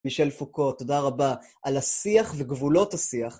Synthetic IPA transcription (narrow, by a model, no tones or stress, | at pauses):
miʃelfukotːo̞daʁaba | ʔalasiaχveɡvulo̞thasiaχ